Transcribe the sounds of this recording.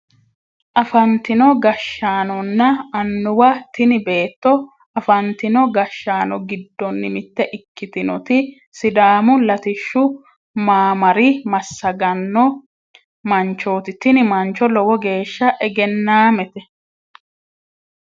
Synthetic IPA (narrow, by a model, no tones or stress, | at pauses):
ʔɐfɐnt̪ɪnɔɡɐʃːaːnɔnːɐːnːʊwɐt̪ɪnɪbe̞ːt̪ːɔ | ɐfɐnt̪ɪnɔɡɐʃːaːnɔɡɪd̪ːɔnːɪmɪt̪ːɛʔɪkːɪt̪ɪnɔ̰t̪ɪ | sɪd̪aːmʊlɐt̪ɪʃːʊ | maːmɐɾɪmɐsːɐɡɐnːɔ | mɐnt͡ʃːoːt̪ɪt̪ːɪnɪmɐnt͡ʃːɔlɔwɔɡe̞ːʃːɐʔɛɡɛnːaːmɛt̪ɛ